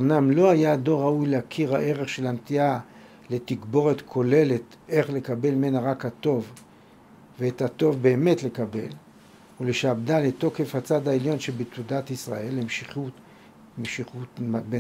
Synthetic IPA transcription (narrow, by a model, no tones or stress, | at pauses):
omnamlo̞ajado̞ʁaujleakʰiʁha̰ʔe̞ʁeχʃelamt̪ia | le̞t̪iɡbo̞ʁet̪kʰo̞le̞let̪ | e̞χle̞kabe̞lmenaʁakhato̞v | veethat̪o̞vbe̞ːme̞tlekabe̞l | ule̞ʃaːbdaleto̞kefhat͡sadaeljo̞nʃebet̪udat̪isʁa̰e̞lemʃiχu | eʃiχube